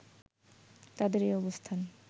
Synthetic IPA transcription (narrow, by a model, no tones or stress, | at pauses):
t̪ad̪eɾejɔbost̪ʰan